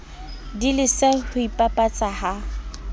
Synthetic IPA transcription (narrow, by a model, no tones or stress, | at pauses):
dilɪsɛhʊipʼapʼat͡sʼaha